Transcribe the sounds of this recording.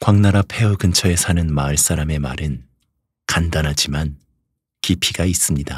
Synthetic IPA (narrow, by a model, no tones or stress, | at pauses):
kwaŋnaɾapʰe̞ɯɡɯnt͡ɕʰʌe̞sʰanɯnmaɯɭs͈aɾame̞maɾɯn | kandanɦad͡ʑiman | kipʰiɡais͈ɯmɲida